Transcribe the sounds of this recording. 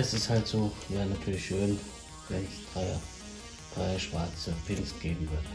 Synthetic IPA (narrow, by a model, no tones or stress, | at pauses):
ɛsɪsthaltz̥oːjaːnatʰyːɐlɪçʃøːn | vɛnsd̥ʁaɪ | d̥ʁaɪəʃv̥aɐt͡səpʰɪnstɡ̥eːbm̩vɪɐt